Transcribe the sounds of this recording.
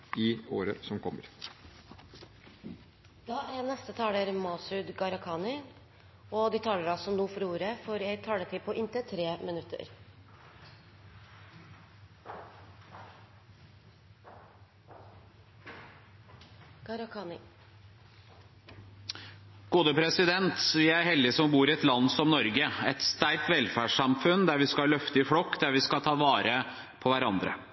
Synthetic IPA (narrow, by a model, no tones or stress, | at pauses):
ɪoːɾə̰sɔmkʰɔmːə̰ɾ | d̪̥ɑːæɾnɛst̪ət̪ʰɑːɽəɾmɑːsʉd̪ɡɑɾɑkʰɑːnɪ | ɔd̪ɪt̪ʰɑːləɾɑlsɔnuːfɔɾuːɾəfɔɾjæɪt̪ʰɑːlət̪ʰɪpʰɔʔɪnt̪ət̪ʰɾeːmənʉt̪ʰːə̰ɾ | ɡ̥ɑɾɑkʰɑːnɪ | ɡ̥uːd̪əpʰɾɛsɪd̪ɛnt̪ʋɪæɾhɛld̪ɪsɔmbuːɾɪɛt̪lɑnːsɔmnɔɾɡəɛt̪st̪æɾk̚t̪ʋɛlfæʂɑmfʉnd̪æɾʋɪskɑlœft̪əɪfɽɔkːd̪æɾʋɪskɑt̪ʰɑːʋɑːɾə | pʰɔʋæɾɑnd̪ɾə̰